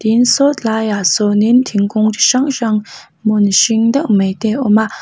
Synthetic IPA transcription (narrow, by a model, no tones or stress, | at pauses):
t̪insot̪lajasonint̪ʰiŋkoŋt͡ɕiɕaŋɕaŋ | moniɕiŋd̪aʔmeʔt̪eʔoma